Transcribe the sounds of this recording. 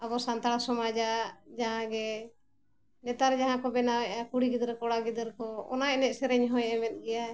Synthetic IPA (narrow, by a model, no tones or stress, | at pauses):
abɔsant̪aɽasɔmad͡ʒad͡ʒaɦãɡɛ | nɛt̪aɾd͡ʒaɦãkɔbɛnawɛʔakuɽiɡid̪ɾkɔɽaɡid̪ɾkɔɔ̰naɛnɛʔ̚sɛɾɛɲɦɔjɛmɛt̪̚ˀɡɛja